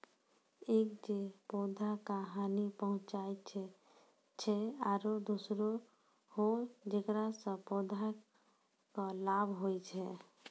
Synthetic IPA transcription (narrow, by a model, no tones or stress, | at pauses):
ekd͡ʒepɔd̪ʱakaɦanipəɦʊ̃t͡ʃaet͡ʃʰɛ | t͡ʃʰɛaɾod̪usɾo | hod͡ʒekɾasə̃pɔd̪ʱa | kəlabʱɦojt͡ʃʰɛ